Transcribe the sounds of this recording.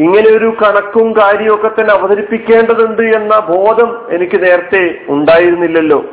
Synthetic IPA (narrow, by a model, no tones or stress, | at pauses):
iŋːɐne̞o̞ɾukɐɳɐkːumkaːɾjɐmokːɐt̪ːɐnɐʋɐd̪ʱɐɾipːikʲːe̞ːɳɖɐðuɳɖɨe̞nːɐbʱo̞ːd̪ʱɐme̞nikʲːɨne̞ːɾɐt̪ːe̞uɳɖaːjiɾunːilːɐlːo̞̰ː